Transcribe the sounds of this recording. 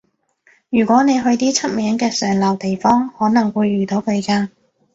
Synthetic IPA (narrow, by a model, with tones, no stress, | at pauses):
jyː˨˩kʷwʷɔː˨˥ne˨˧jɦɵ˧ɥt̪iː˥t͡sʰɐ˥t̚mɛː˨˥ŋkɛː˧sœː˨˩ŋlɐ˨˩wt̪e˨˩jfɔː˥ŋhɔː˨˥nɐ˨˩ŋwuː˨˧jːyː˨˩t̪o˨˥wkʰɵ˨˧jkaː˧